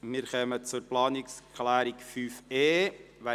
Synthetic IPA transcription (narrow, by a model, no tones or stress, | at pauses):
miːɾχɛːmət͡suɾplɑːnɪkskʰlæːɾikfyːfeː | ʋæ